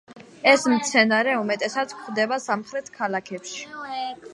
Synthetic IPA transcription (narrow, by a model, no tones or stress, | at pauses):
ɛsmt̪sʰɛnaɾɛumɛt̪ʼɛsat̪skχd̪ɛbasamχɾɛt̪ʰkʰalakʰɛpʃi̥